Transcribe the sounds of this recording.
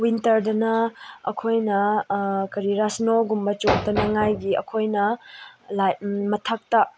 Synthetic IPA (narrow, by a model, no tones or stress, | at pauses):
wintɐɾdɐnɐɐ̰kʰojnɐkɐɾiɾasnoɡumbɐt͡ʃotɐnɐŋajɡiɐ̰kʰojnɐlamɐtʰak̚tɐ